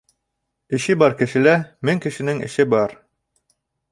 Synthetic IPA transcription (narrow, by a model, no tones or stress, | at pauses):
ɘ̆ʃɘbɑɾkɘ̆ʃɘ̆læmɘŋkɘ̆ʃɘ̆nɘŋɘ̰̆ʃɘbɑɾ